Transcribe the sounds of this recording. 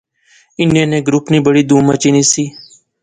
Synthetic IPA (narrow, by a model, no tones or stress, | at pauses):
ɪnẽːnẽːɡɾʊpniːbəɽiːd̪uːməːt͡ʃiːniːsiː